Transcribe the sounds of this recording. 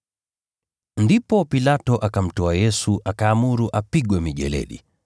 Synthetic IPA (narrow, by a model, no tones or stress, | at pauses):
ndipɔpilatɔʔakam̩tɔajɛsuʔakaːmuɾuʔapiɠwɛmiʄɛ̰lɛ̰ɗḭ